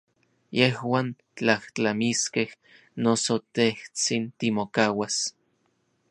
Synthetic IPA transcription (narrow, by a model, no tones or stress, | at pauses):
jehwaːn | t͡ɬaht͡ɬamiskeh | nosot̪eht͡sint̪imokaːwas